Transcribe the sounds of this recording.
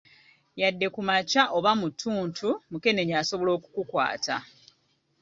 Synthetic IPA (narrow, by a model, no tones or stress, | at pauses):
jadːe̞kumacaʔo̞βamutʰːuːntʰumuke̞ne̞ɲaso̞βo̞lo̞ːku̥kukwa̰ːtʰa